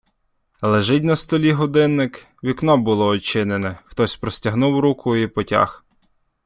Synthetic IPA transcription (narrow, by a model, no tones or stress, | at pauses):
lˠeʒɪt̬̚ʲnɐst̪ɔlʲiɦɔd̪ɪnːɪk | ʋʲiknɔbʊlˠɔːt͡ʃɪnenɛxt̪ɔsʲpɾɔsʲtʲɐɦnuwɾukʰʊipɔtʲa̰x